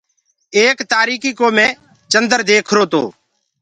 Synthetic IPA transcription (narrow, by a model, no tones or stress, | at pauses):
eːkt̪aːɾiːkiːkoːmẽː | t͡ʃənd̪əɾd̪eːkʰɾoːt̪oː